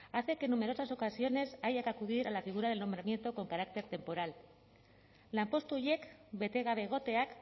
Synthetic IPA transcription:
aθe̞ke̞nːume̞ɾo̞saso̞kasio̞ne̞saʝakakuðiɾalafiɣ̞uɾað̞e̞lno̞mbɾamje̞nt̪o̞ko̞ŋkaɾak̚t̪e̞ɾt̪e̞mpo̞ɾal | ampo̞st̪uʝe̞kbe̞t̪e̞ɣaβe̞ɣ̞o̞t̪e̞ak

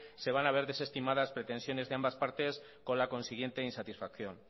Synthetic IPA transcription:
seβ̞anaβ̞eɾðesest̪imaðaspɾet̪e̞nsjo̞nezðeambaspaɾt̪es | kolakõ̞nsiɣ̞jent̪einsat̪isfakθjõŋ

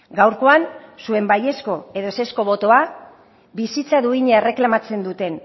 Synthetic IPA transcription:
ɡawɾko̞ansue̞mbaje̞sko̞eðo̞ese̞sko̞βo̞t̪o̞a | bisit͡saðuiɲeere̞klamat͡se̞nd̪ut̪e̞n

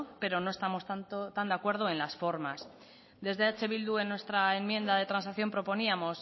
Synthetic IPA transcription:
pe̞ɾo̞no̞e̞st̪amo̞st̪ant̪ot̪and̪eakwe̞ɾðoe̞nlasfo̞ɾmas | d̪e̞zðe̞at͡ʃe̞βild̪ue̞nwe̞st̪ɾaemmjend̪aðe̞t̪ɾansakθjo̞mpɾo̞po̞niamo̞s

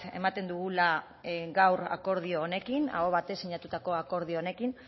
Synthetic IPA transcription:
e̞̰mat̪e̞nd̪uɣula | ɡawɾa̰ko̞ɾð̞io̞ːne̞kina̰ɣoβat̪e̞siɲat̪ut̪ako̞ako̞ɾð̞ioone̞kin

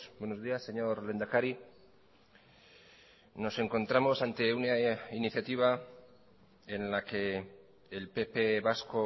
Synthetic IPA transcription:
bwe̞nozðiasːe̞ɲo̞ɾle̞nd̪akaɾi | no̞se̞ŋko̞nt̪ɾamo̞sant̪e̞unainiθjat̪iβ̞a | enlake̞ː | lpepeβasko

